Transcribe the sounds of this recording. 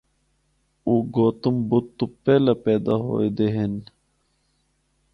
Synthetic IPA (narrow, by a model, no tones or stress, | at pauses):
uɡoːt̪umbut̪̚t̪ːupeːlapeːd̪aɦo̰ːjd̪eɦen